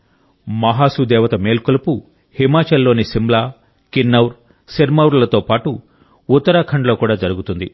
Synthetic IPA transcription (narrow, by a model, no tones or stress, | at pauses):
mɐɦaːsud̪ɛːʋɐt̪ɐme̞ːlkolɐpu | himaːt͡ʃɐlːo̞ːnisimblaː | kinːɐwɾ | seɾmɐwɾlɐt̪o̞ːpaːʈu | ut̪ːɐɾaːkʰɐɳɖlo̞ːkuːɽaːd͡ʒɐɾuɡut̪und̪ḭ